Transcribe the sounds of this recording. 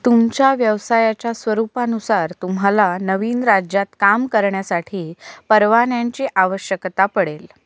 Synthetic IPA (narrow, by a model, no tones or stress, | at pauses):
t̪umt͡ɕjaʋjəʋsajat͡ɕasʋəɾupanusaɾt̪umɦalanəʋiːnɾad͡ʑjat̪kamkəɾɳjasaʈʰiːpəɾʋanjaɲt͡ɕiːʔaʋəɕjəkt̪apəɽel